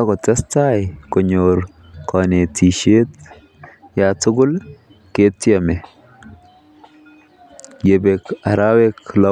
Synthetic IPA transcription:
a˦kɔ˨ta˦sta˦jkɔ˨ɲoɾ | kɔne˨tʰi˨ʃe˦t | ja˨tʊ˦ɡʊ˦l | ke˦tːamɛ˨ | je˨bɛka˨ɾa˦wɛkla

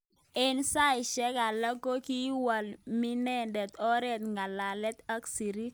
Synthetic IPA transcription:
ɛ˦nsa˦i˨ʃɛ˦ka˨la˦ko˦ki˦wa˨lmi˦nɛ˦ndɛ˨t̪ɔ˦ɾɛ˦t̪̚ŋɡa˨la˨lɛ˦t̪a˦ksi˨ɾi˦

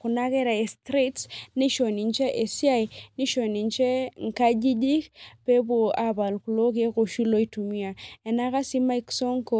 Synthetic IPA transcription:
ku˨na˦ke˦ɾa˨e˨stɾi˦tsni˦ʃo˨ni˨nt͡ʃe˦ʔe˨si˦a˦jni˦ʃo˨ni˨nt͡ʃe˦ŋ̩˨ka˦d͡ʒi˦d͡ʒi˦kpe˦bo˨a˦ba˨lku˨lo˦k̬e˦ko˨ʃi˦lo˦i˦tu˨mi˦a˨e˨na˦ka˦si˦ma˦i˦kso˦ŋko˨

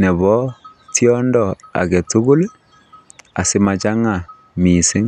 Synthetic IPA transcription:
nɛ˨βɔ˦tjɔ˦ndɔ˨a̰˨ɣe˨tu˦ɣu˦le˦ | a̰˨se˦ma˨t͡ʃa˦ŋa˨ | mi˨se˦ŋ

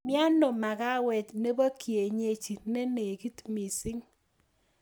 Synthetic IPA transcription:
mja˦no˨ma˨ka˦wɛ˨tne˦bɔ˦kʰje˨ɲe˨t͡ʃi˨ne˦ne˨ki˦tmi˨sɪ˦ŋ

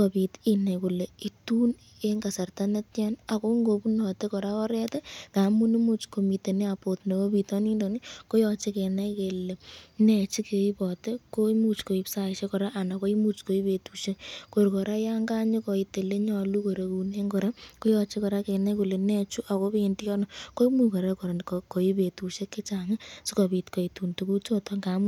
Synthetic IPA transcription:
kopi˨tina˨jku˨le˨i˨tuː˦n | eŋɡa˨sa˨rtane˦tja˦na˨ko˦ŋɡo˨pu˦nɔ˨te˦kɔ˨ɾa˦kɔ˦ɾɛ˦tɛ˦ka˨mu˦nɪ˦mu˦t͡ʃko˨mi˨te˨ne˦apo˨tne˨ko˦pitɔ˦ni˦ndonɪko˦jɔt͡ʃe˦kɛ˨na˦jkele˨nɛ˨t͡ʃi˦ke˨i˦pɔ˨te˦komu˦t͡ʃko˨i˦psa˦˨ʃe˦kɔ˨ɾa˦ʔa˨na˨ko˦i˦mu˦t͡ʃko˨i˦pe˨tuʃe˦ko˨ɾkɔ˨ɾa˦ja˦ŋɡa˦ɲɪ˦kɔ˨ite˨le˦ɲɔ˨lu˦ko˨ɾe˨ku˨ne˦ŋɡɔɾa˦ko˦jɔ˧t͡ʃɪ˦kɔ˨ɾa˦kɛ˨na˦ku˨le˨nɛ˦t͡ʃu˦ʔa˨ko˦penti˦jɔ˦nɔko˦imu˨ka˨ɾa˦kɔ˨ɾkko˨i˦petu˨ʃe˦kːe˦t͡ʃaŋɪ˦su˦kɔ˨bi˨tkɔ˨itu˨ntu˨ku˦t͡ʃo˦tɔŋɡa˨mu

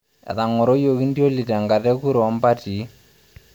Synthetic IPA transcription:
ɛ̰˨ða˨ŋɔ˨ɾo˦jo˨ɣi˦ndjo˦li˨ta˨ŋɡa˨ðɛ˦ku˦ɾɔ˨ɔ˦mba˦ti˨˦

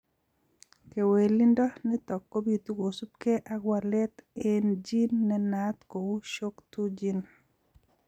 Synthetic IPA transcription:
ke˨we˨li˦ndɔ˦nɪ˦t̪ɔ˨kːo˦bi˨t̪u˦ɡo˨su˦b̚ke˦ʔa˦ɡwa˨lɛ˦t̪e˦nd͡ʒi˦nːɛ˦nat̪ko˨wu˦ʃo˦kt̪u˦d͡ʒi˦n

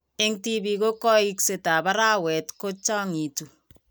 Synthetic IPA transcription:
ɪ˦ŋti˦bi˨ko˦kɔ˦i˦kse˨ta˨ba˦ɾa˦˨wɛ˨tko˦t͡ʃa˦ŋi˨tu˨

